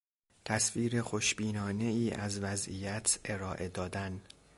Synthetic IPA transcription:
t̪ʰæsfiːɾe̞xoʃbiːnɒːne̞iːʔæzvæzʔijæt̪ʰe̞ɾɒːʔe̞d̪ɒːd̪æn

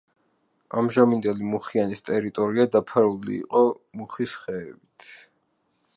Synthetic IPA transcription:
amʒamind̪ɛlimuχianist̪ʼɛɾit̪ʼɔɾiad̪apʰaɾulḭːqʼɔmuχisχɛːbit̪ʰ

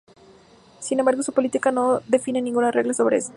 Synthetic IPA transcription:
sinẽmbaɾɣo̞supolit̪ikano̞ðe̞finenĩŋɡunare̞ɣlaso̞βɾeesḁ

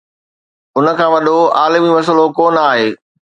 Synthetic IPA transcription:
ʊnə̆kʰãːʋɐɗoaːlɪmimɐs̬əlokoːnaːɦeː

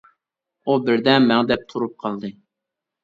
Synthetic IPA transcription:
ubɪɾd̪ɛmɛŋd̪ɛp̚t̪ʰuɾup̚qʰɑlˠd̪ɨ

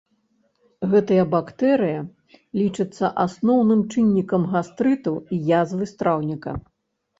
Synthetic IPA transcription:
ɣɛt̪ɐjɐbakt̪ɛɾɨjɐ | lʲit͡ʂɨt̪sːɐʔasnɔwnɨmt͡ʂɨnʲːikɐmɣast̪ɾɨt̪ɐwijazvɨst̪ɾawnʲikɐ̰

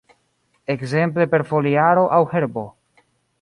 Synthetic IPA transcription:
ekze̞mple̞pe̞ɾfoliaɾo̞ʔawhe̞ɾbo̞

